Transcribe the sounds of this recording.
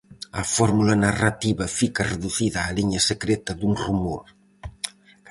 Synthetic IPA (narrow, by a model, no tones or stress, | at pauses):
afɔɾmulənarat̪iβəfikəreðuθiðaːliɲəsəkɾet̪əd̪unrumoɾ